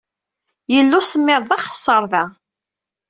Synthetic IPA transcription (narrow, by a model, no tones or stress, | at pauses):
jəlːusəmːɪɾˤðˤɑχə̥sˤːəɾˤðæ